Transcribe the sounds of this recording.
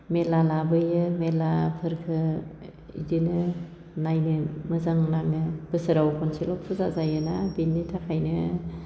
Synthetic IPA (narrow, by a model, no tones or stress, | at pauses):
melalabɯjɯmelapʰɯɾkʰɯ | ḭdinɯ | najnɯmɯzaŋnaŋɯb̥ɯsɯɾawkʰɔnsilɔp̚sʰɯzazajɯnabinːitʰakʰajnɯ